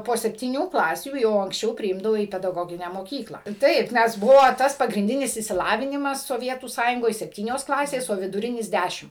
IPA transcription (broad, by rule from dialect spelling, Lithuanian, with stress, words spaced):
poː sʲɛpʲtʲiːˈnʲuː ˈklˠɑːsʲuː jɛʊ ɐŋksʲˈt͡ʃʲɛʊ pʲrʲɪˈɪmdɐʋoː iː pʲɛdɐˈɡoːɡʲɪnʲæː moːˈkʲiːklˠɑː ˈtɐɪp ˈnʲɛs ˈbʊʋoː ˈtɐs pɐɡrʲɪnʲˈdʲɪnʲɪs ɪʃʲsʲɪˈlˠɑːʋʲɪnʲɪmɐs soːˈʋʲiɛtuː ˈsɑːjʊŋɡoːj sʲɛpʲˈtʲiːnʲoːs ˈklˠɑːsʲeːs oː ʋʲɪdʊˈrʲɪnʲɪs ˈdʲæʃʲɪm